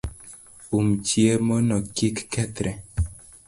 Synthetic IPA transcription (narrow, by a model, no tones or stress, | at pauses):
umt͡ʃjemonɔkikːɛt̪ɾɛ